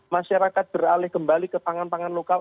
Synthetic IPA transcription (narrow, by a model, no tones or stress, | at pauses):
maʃaɾakat̪̚b̥əralɪhkəmbalikəpaŋanpaŋanlokal